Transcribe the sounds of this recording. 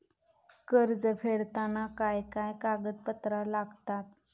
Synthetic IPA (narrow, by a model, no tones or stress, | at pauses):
kəɾd͡zəfeɭt̪anakajkajkaɡət̪̚pət̪ɾalaɡt̪at̪̚